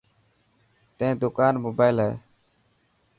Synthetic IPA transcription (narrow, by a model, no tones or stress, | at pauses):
t̪ẽːd̪ʊkaːnmoːbaːɪlɦɛḛː